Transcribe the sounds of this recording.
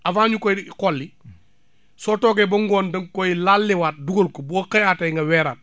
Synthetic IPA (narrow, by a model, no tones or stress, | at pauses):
ʔɐfaːɲukɔjkɔlːi | sɔːtɔːɡɛbɐŋɡɔːndɐŋkɔjlalːiwaːt̚duɡɐlkɔbɔːkɐjaːtɐŋɡɐwɛːɾaːt̚